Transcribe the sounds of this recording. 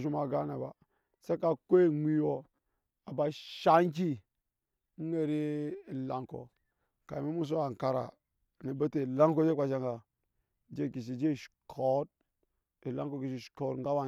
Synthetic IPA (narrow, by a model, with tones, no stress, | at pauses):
ʃu˦ma˨ɡa˦ne˨ba˨ | sa˦ka˨ko˦e˦mʷi˦wo˦˨ | a˨ba˨ʃa˦nk̬i˦ | ŋ̩˦e˦ɾi˦˨la˨ŋko̰˨ | ka˨mi˦mu˦s̬o˦a˨ŋ˨ka˨ɾa̰˨ | ni˨be˦te˨la˦ŋko˦d͡ʒe˦a˨ʃa˦ŋɡa˨ | d͡ʒe˦˨ki˨s̬i˨d͡ʒe˦˨ʃkʰo˦t̚ | i˨la˦ŋko˦ki˨ʃ̬i˦˨ʃko˦tŋɡa˦wa˨